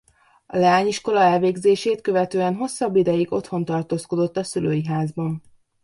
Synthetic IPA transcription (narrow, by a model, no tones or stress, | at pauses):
ɒlɛaːɲiʃko̞lɒɛlveːɡzeːʃeːt̪køvɛt̪øːɛnɦo̞sːɒbːid̪ɛjiɡo̞t̪ho̞nt̪ɒrt̪oːsko̞d̪o̞t̪ːɒsyløːjiɦaːzbɒn